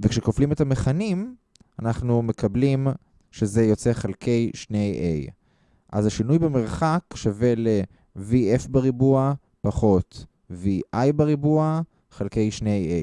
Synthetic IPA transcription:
vekʃekoflimetameχanim | anaχnume̞kablim | ʃe̞ze̞jo̞t͡se̞χalkʰe̞jʃnejʔḛj | ʔa̰zaʃinujbeme̞ʁχakʃave̞le̞ | viefbeʁibua | paχo̞t | viʔajbeʁibua | χalke̞jʃnejḛj

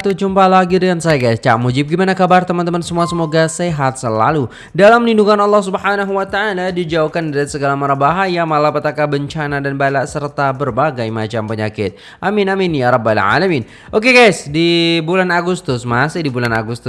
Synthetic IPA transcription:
t̪ud͡ʒumpalaɡidəjansajaɡajst͡ʃa̰ʔmud͡ʒɪp̚ɡimanakabart̪əmant̪əmansəmuasəmoɡaseɦat̪̚səla̰lu | dalamlinduŋanɑlːɑhsubhanaɦuwat̪aːladid͡ʒaukandaɾat̪səɡalamaɾabaɦajamalapət̪akabəɲt͡ʃanadanbalaʔsərt̪abərbaɡajmat͡ʃampəɲa̰kɪt̪̚ | ʔaminaminjaɾɔbalʕa̰lamin | ʔok̬eɡajsdibulanaɡust̪ʊsmasɪhdibulana̰ɡust̪ʊ

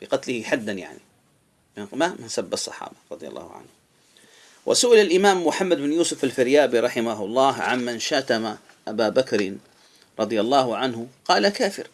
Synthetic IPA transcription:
bɪqɑt̪lɪhɪħad̪ːanja̰ʕnḭ | mɪmamɪnsabːɑsˤːɑ̰ħɑ̰ːbaɾˤɑd̪ˤɨja̰lˤːɑ̰ːhʊʕa̰nh | wʔa̰sʊʔɪlalʔɪmaːmːʊħamːad̪bɪnjuːsʊfalfɪɾjaːbiɾˤɑħɪmaɦʊlˤːɑːɦʕamːanʃat̪ama | ʔabaːbakɾɪn | ɾˤɑd̪ˤɨjalˤːɑːɦʊʕanhʊqɑːlakaːfɪ̰ɾ

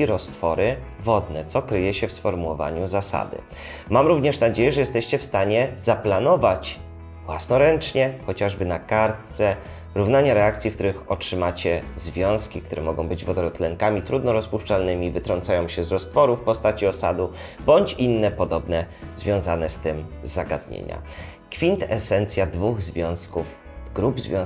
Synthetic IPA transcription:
iɾɔst̪fɔɾɘ | vɔd̪nɛt̪sɔkɾɘjɛɕɛfsfɔɾmuwɔva̰ɲuzasa̰d̪ɘ̰ | mamɾuvɲɛʂnad͡ʑejɛʐɛjɛst̪ɛɕt͡ɕɛfst̪aɲɛzaplanɔvat͡ɕ | vwasnɔɾɛnt͡ʂɲɛxɔt͡ɕaʐbɘnakaɾt̪sɛ | ɾuvnaɲaɾɛakt̪sʲjikt̪uɾɘxɔtʂɘmat͡ɕɛzvʲjɔ̃w̃skʲikt̪uɾɛmɔɡɔ̃w̃bɘd͡ʑvɔd̪ɔɾɔt̪lɛŋkamʲit̪ɾud̪nɔɾɔspuʂt͡ʂalnɘmʲivɘt̪ɾɔnt̪sajɔ̃w̃ɕɛzɾɔst̪fɔɾufpɔst̪at͡ɕiɔsa̰d̪ubɔɲt͡ɕinːɛpɔd̪ɔbnɛz̥vʲjɔ̃w̃zanɛst̪ɘmzːaɡa̰d̪̚ɲḛɲa̰ | kfʲint̪ɛsɛnt̪sʲjad̪vuɣzvʲjɔ̃w̃skufɡɾubzvʲjɔ̃

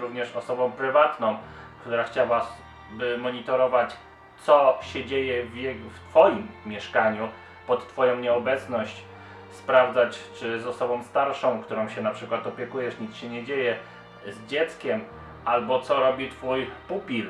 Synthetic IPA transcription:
ɾuvɲɛʂɔsɔbɔ̃w̃pɾɘvat̪nɔ̃w̃kt̪uɾaxt͡ɕawa | bɘmɔɲit̪ɔɾɔvat͡ɕ | t̪sɔɕɛd͡ʑejɛvʲjɛɡft̪fɔjimːʲjɛʂkaɲu | pɔt̪t̪ːfɔjɔ̃w̃ɲɛɔbɛt̪snɔɕt͡ɕ | spɾavd̪zat͡ɕt͡ʂɘzɔsɔbɔ̃w̃st̪aɾʂɔ̃w̃kt̪uɾɔ̃w̃ɕɛnapʂɘkwat̪ɔpʲjɛkujɛʂɲit̪sɕɛɲɛd͡ʑejɛ | zd͡ʑɛt̪skʲɛm | albɔt̪sɔɾɔbʲit̪fujpupʲil

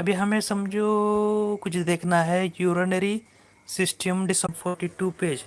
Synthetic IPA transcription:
ɐbʱiɦɐmẽsɐmd͡ʒʱokʊt͡ʃʰd̪eːkʰnaɦɛjuːɾənəɾi | sɪsʈijəmɖɪsəfʰɔːɾʈiʈupeːd͡ʒ

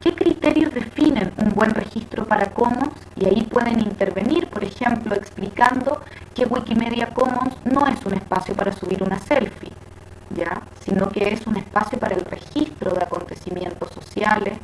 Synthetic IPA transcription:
kekɾit̪eɾjozðe̞finenumbwenrexist̪ɾopaɾakomonsḭaipwe̞ð̞enint̪eɾβeniɾpoɾexe̞mploeksplikand̪o̞keɣwikimeð̞jakomonsno̞esunespasjo̞paɾasuβ̞iɾunaselfḭ | ʝasinokeesunespasjo̞paɾaelrḛxist̪ɾoð̞eako̞nt̪esimje̞nt̪oso̞sjale

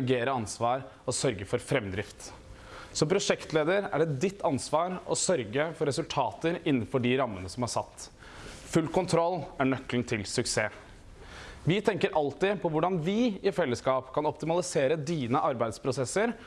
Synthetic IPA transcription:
ɡeːɾəɑnsʋɑːɾ | ɔsœɾɡəfɔɾfɾɛmd̪ɾɪft̪ | sɔmpʰɾʊʂɛkt̪leːd̪əɾæ̰ɖɛd̪ɪt̪ʰːɑnsʋɑːɾʔɔsœɾɡəfɔɾɛsʉlt̪ʰɑːt̪əɾɪnːənfɔɖɪɾɑmːənəsɔmhɑʂɑt̪ː | fʉlkʰʊnt̪ʰɾɔlːæɳœkln̩t̪ʰɪlsʉkseː | ʋɪt̪ʰɛŋkəɾʔɑlt̪ɪpʰɔʋʊɖɑnʋɪɪfɛlːəskɑːpkʰɑnɔpt̪ɪmɑlɪseːɾəd̪iːnəʔɑɾbæɪd̪spʰɾʊsɛsːəɾ

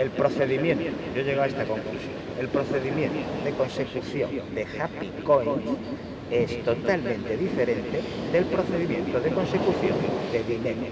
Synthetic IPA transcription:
elpɾoθe̞ðimjẽ̞nt̪oʝoʎeɣawaest̪ako̞ŋklusjoŋe̞lpɾo̞θe̞ðimjẽ̞nt̪oðeko̞nse̞kuθjo̰ŋd̪exapikojns | est̪o̞t̪almẽnt̪eðifeɾẽnt̪ed̪e̞lpɾoθeðimjẽnt̪oðeko̞nsekuθjo̰ŋd̪e̞βinen

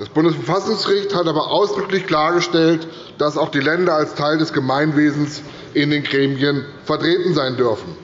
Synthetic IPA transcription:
d̥asb̥ʊndəsfɛɐfasʊŋsɡ̥əʁɪçthatʔaːbɐʔaʊsd̥ʁʏklɪçkl̥aːɐɡəʃtɛlt | d̥asaʊxd̥iːlɛndɐalstʰaɪldɛsɡ̥əmaɪnveːzn̩s | ʔɪndeːnɡʁeːmiən | fɛɐtʁ̥eːtn̩zaɪndʏɐfn̩

